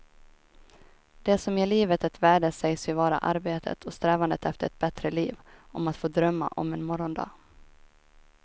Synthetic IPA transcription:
d̪̥ɛsɔmjeːɭiːvət̪ɛt̪væːɖəsɛjsvɪvɑːɾa̰ʔaɾbeːt̪ʰə̰t̪ʰɔst̪ɾɛːvand̪ət̪ɛft̪əɾɛt̪̚bɛt̪ɾəliːvʔɔmat̪foːd̪ɾœmːa̰ʔɔ̰mɛnmɔɾɔnd̪ɑ̰ː

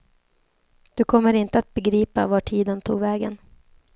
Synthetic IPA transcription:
d̪̥ɵkʰɔmːəɾɪnt̪əat̪̚bɛɡɾiːpa̰vaʈʰiːd̪ənt̪ʰṵːɡvɛːɡə̰n

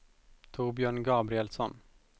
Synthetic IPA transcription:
t̪ʰuːbjœːɳɡɑːbɾɪɛlsɔn

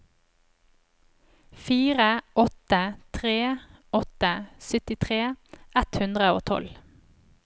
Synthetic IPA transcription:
fiːʁəʔɔt̪ət̪ʰʁeːɔt̪əsʏt̪ɪt̪ʰʁeːʔɛt̪hʉnd̪ʁəo̰ːt̪ʰɔ̰l

